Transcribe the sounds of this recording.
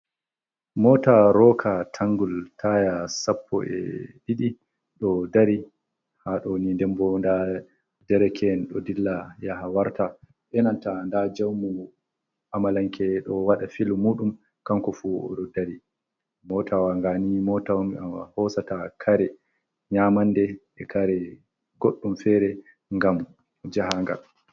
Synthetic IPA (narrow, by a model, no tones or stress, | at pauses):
mɔːtaɾɔːkʰatʰaŋɡultʰajasapʰːɔ̰ʔɛ̰ɗiɗi | ɗɔdaɾi | haɗɔnindɛmbɔnda | dɛɾɛkʰɛnɗɔdilːajahawaɾta | ʔɛnantandad͡ʒawmu | ʔamalaŋkɛɗɔwaɗafilmuɗum | kaŋkɔfuɔ̰ɗɔdaɾi | mɔtʰawaŋɡanimɔtawamahɔsatakʰaɾɛ | ɲamandɛ | ɛkaɾɛ | ɡ̥oɗːumfɛɾɛ | ŋɡam | d͡ʒaɦaŋɡa̰l